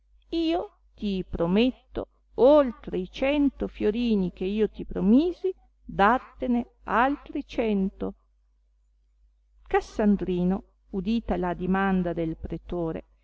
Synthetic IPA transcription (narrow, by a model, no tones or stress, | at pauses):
iːo | t̪ipɾomet̪ːo̰ | olt̪ɾeit͡ʃɛnt̪ofjoɾiːnik̟eiːot̪ipɾomiːzi | d̪at̪ːene | alt̪ɾit͡ʃɛnt̪o | kasːand̪ɾiːno | ud̪iːt̪alad̪imand̪ad̪elpɾet̪oːɾḛ